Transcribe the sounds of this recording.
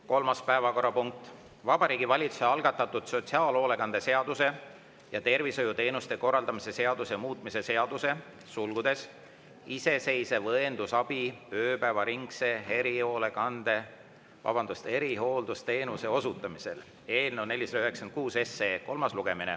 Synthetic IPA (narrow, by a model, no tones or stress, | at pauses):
ko̞lmɑspæevɑko̞rːɑpuŋk̚t̪ˑ | vɑbɑɾiːɡivɑlʲit̪su̥se̞ɑlɡ̥ɑt̪ːˑɑt̪ːˑud̪̥so̞t̪siɑːlo̞ːle̞kɑnd̪̥e̞se̞ɑd̪̥use̞ | jɑt̪e̞rvisojut̪e̞ːnust̪e̞ko̞rːɑld̪ɑmise̞se̞ɑd̪̥use̞muːt̪ˑmise̞se̞ɑd̪use̞ | sulɡud̪̥e̞s | ise̞se̞jsevɤend̪usɑb̥iøːpæevɑɾiŋkse̞ɦe̞ɾio̞ːle̞kɑnd̪e̞ | vɑ̰bɑnd̪ust̪e̞ɾiɦo̞ːld̪ust̪e̞ːnuse̞o̞sut̪ːˑɑmise̞̰l | e̞ːlnene̞lʲːisɑd̪ɑyheksken̚kuːse̞seːko̞lmɑsluɡ̥e̞minḛ